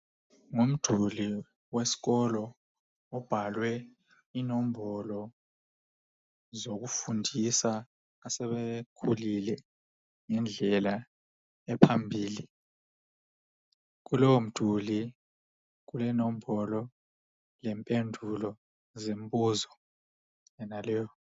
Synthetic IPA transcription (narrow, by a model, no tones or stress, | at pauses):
ŋum̩d̥ʱuli | wesi̥ɣɔlɔː | b̥ʱalwɛ | inɔm̩bɔlɔ | zok̬ufundʱisaː | sɛβekʰulilɛ | ŋɛnd͡ɮʱɛla | ɛpʰambʱiːli | k̬ulɔwom̩d̥ʱuli | k̬ulɛnoɔm̩bʱɔlɔ | lɛmpʼendʱulɔ | zembʼuzɔ | ɛnalɛːjɔ